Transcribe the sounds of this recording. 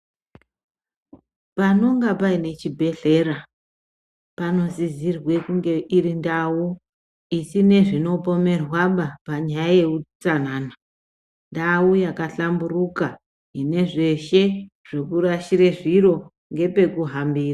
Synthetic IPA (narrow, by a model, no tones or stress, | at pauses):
pano̞ŋɡapaine̞t͡ʃibʱe̞ɬe̞ɾa | pano̞zizirwe̞kuŋɡe̞ʔiɾindawu | isine̞ʐino̞po̞me̞rwaɓapaɲajaje̞kut͡sanaːna | ndawujakaɬamburuka | ɦine̞ʐe̞ʃe̞ | ʐ̥ekuɾaʃiɾeʐiro̞ | ŋɡe̞pe̞kuɦambiːra